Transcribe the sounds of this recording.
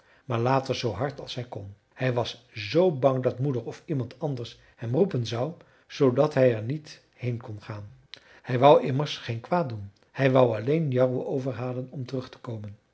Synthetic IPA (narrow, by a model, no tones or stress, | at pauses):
maːɹlaːtəɹzowɦɑɹtɑ̰lˠsɦɛjkɔn | hɛjʋɑs | zowbɑŋdɑtmudəɹɔfimɑntʰɑndəɹs | hɛmrupənzɑw | z̥owdɑtɦɛjɛɹnit | hejnkɔnχaːn | hɛjʋʌwʔɪməɹsχejnkʋaːt̚dun | hɛjʋɑwɑlejnjɑrəowvəɹɦaːlənɔmtərɵχtə̥kowmən